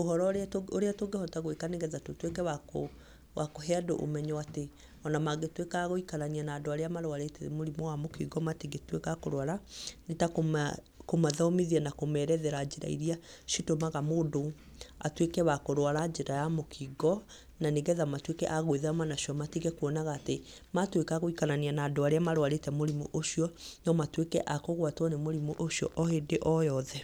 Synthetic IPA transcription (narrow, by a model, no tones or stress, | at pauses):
ohɔɾɔoɾeatoɡehɔtaɣwekaneɡɛðatotwekɛwako | wʔakoɦɛadoʔo̰mɛɲɔate | ɔnamaɡetwekaːɣoikaɾanianaːdoaɾeamaɾwaɾeteḛmoɾimɔwamokiɡɔmatiɡetwekakoɾwaɾanetakom | komaðaomiðianakomɛɾɛðɛɾad͡ʑeɾa̰ḭɾiaʃitomaɣamoːdo | a̰twekɛβakoɾwaɾad͡ʒeɾajamokʰiɡɔ | naneɡɛðamatwekɛ̰ʔaɣweðamanaʃiɔmatiɣɛkwɔnaɣaːte | matwekaɣoikananianaːdoaɾeamaɾowaɾetɛmoɾimuʔoʃiɔnɔmatwekɛʔakoɣwatwɔnemoɾimuʔoʃiɔʔɔhedeʔɔjɔðɛ